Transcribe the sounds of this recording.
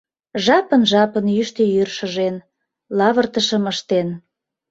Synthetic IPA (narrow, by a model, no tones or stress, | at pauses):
ʒɑpənʒɑpənjyʃt̪ejyrʃə̆ʒen | lɑβərt̪əʃə̆məʃt̪en